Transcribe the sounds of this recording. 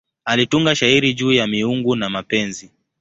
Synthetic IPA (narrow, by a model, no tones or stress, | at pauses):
alituŋɡaʃaiɾiʄuːjamiuŋɡunamapɛnzi